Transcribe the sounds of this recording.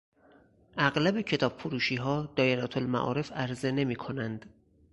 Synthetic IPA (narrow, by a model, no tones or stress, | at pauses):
ʔæɣlæbe̞cʰe̞t̪ʰɒːb̥̚fuɾuːʃiːɦɒːd̪̥ɒːjeɾæt̪ʰolmæ̰ʔɒ̰ːɾe̞fæɾze̞ne̞miːkʰo̞nænd̪̥